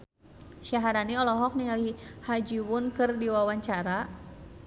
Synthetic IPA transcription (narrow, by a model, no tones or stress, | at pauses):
ʃaɦaɾaniɔlɔɦɔk̚niŋalihad͡ʒiwʊnkɨrdiwawaɲt͡ʃaɾa